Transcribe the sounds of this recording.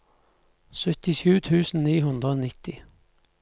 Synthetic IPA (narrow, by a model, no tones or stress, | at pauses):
sœt̪ɪʃʉːt̪ʰʉːsn̩niːɦʉnd̪ʁəoːnɪt̪ɪ